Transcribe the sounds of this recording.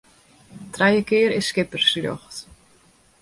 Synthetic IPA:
t̪ɾaːjəkɪːɾɪ̥skɪpəɾ̥sɾjɔ̰xt̪

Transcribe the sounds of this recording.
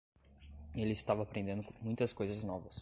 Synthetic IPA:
elɪɪst̪avɐaːpɾẽnd̪ẽd̪ʊmũj̃t̪ɐskojzɐznɔvɐs

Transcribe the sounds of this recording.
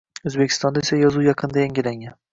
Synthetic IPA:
ɵzbe̞kʲʰːɪst̪ɒnd̪aesajɒzujɑqʰɨnd̪ajaŋɡʲɪlaŋʲan

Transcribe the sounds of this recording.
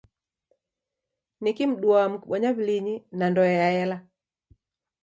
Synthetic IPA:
nikim̩ɗuam̩kuɓɔɲaβiliɲinandɔɛjaɛla

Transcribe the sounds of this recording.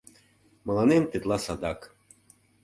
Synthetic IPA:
mɤ̆lˠɑnemt̪et̪lˠɑsad̪ɑk

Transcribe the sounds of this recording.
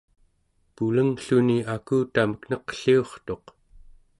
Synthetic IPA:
puləŋɬuniakuːt̪aməkn̥ʌqə̥ɬio̞χt̪o̞q

